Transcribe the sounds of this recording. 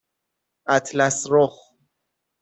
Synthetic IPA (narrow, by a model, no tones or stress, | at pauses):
ʔæt̪ʰlæsɾox